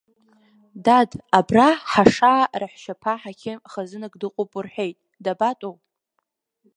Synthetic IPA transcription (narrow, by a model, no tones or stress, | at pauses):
dadabraħaʂaːraħʃapʰaħakʲʰɪχazɨnɨɡdɨqʷʼopʼʊrħʷᶣejtʼ | dabatʼowʼ